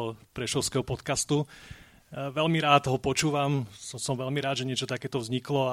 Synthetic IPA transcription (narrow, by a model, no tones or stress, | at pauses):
ɔpɾɛʃɔʊskɛɦɔpɔt̪kast̪u | ʋɛlmiɾaːd̪ɦɔpɔt͡ʃuːʋamsɔsɔmʋɛʎmiɾaːd̪ʒɛɲɪɛt͡ʃɔt̪akɛːt̪ɔʋvzɲiklɔa